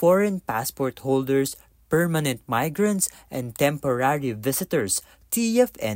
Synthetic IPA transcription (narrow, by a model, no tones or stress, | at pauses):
fɔɹɛ̃npaspɔɹt̪howld̪ɛɹs | pɛɹmanɛ̃nt̪̚majɡɹɐ̃nt̪s | ʔɛ̃nd̪t̪ɛ̃mpɔɹaɹivɪsɪt̪ɛɹs | t̪iɛfɛ